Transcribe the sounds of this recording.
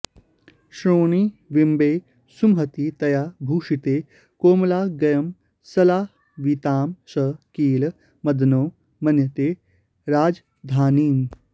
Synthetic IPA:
ɕɾoːɳ̃iːʋimbeː | sumɦət̪iːt̪ɐjaːbʱuːʂit̪e | koːmlaːɡɐjɐm | sɐlaːh | ʋit̪aːmsəkiːl | mɐd̪noː | mɐnjət̪e | ɾaːd͡z | d̪ʱaːniːn

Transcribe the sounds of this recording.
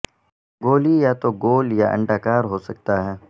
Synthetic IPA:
ɡoːlijat̪oɡoːljaʔɐ̰̃ɳɖaːkaːɾɦoːsɐk̚t̪aɦɛː

